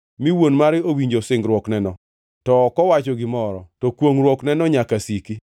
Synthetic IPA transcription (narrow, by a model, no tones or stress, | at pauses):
miwonmaɾɪowiɲd͡ʒosɪŋɡɾwɔknɛnɔ | tɔkɔwat͡ʃɔɡɪmɔɾɔtɔkwoŋɾwɔknɛnɔɲakasiki